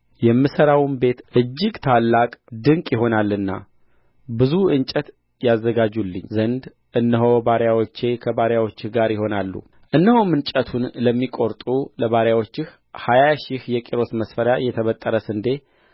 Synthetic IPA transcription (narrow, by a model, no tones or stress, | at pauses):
jɛmːɨsəɾawnbe̞t̪ʔɨd͡ʒːɪɡt̪ʰalːakʼd̪ɨŋkʼjɪɦo̞nalːɨnːa̰ | bɨzuɨnt͡ʃʼət̪ | jazːəɡad͡ʒulːɨ̰ɲːzənd̪ | ʔɨnːəɦowbaɾjawot͡ʃːe̞kʰəbaɾjawot͡ʃːɪhɡaɾjɪho̞nalːṵ | ʔɨnːəhomɨnt͡ʃʼət̪ʰunləmːikʼo̞ɾt̪ʼuləβaɾjawot͡ʃːɪh | hajaʃihjɛkʼeɾo̞t̪məsfəɾjajɛt̪ʰəβət̪ʼːəɾəsɨnd̪e̞